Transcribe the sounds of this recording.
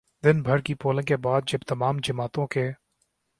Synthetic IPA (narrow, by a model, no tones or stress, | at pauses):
d̪ɪnbʱəɾkiːpoːlə̃ŋkeːbaːd̪̚d͡ʒəbt̪əmaːmd͡ʒəmaːt̪õkeː